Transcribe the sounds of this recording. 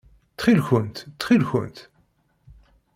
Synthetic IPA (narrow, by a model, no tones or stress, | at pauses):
t͡s̪χilçʊnt̪t͡sːχilçʊ̰nt̪